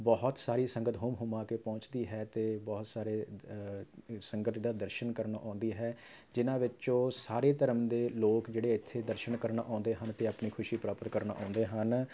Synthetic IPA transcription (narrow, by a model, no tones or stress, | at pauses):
bɔɦt̪saːɾiːsəŋɡət̪ɦʊːmɦʊmãːkeːpɔ̃ːt͡ʃd̪iːɦɛːt̪eːbɔːt̪saːɾeː | səŋɡət̪d̪aːd̪əɾʃənkəɾnaːʔãːnd̪iːɦɛː | d͡ʒɪnãːʋɪt͡ʃõːsaːɾeːt̪əɾəmd̪eːloːkd͡ʒeːɽeːɪt̪ʰːeːd̪əɾʃənkəɾnaːʔãːnd̪eːɦənt̪eːaːpniːkʰʊʃiːpɾaːpət̪kəɾna̰ːʔã̰ːnd̪eːɦən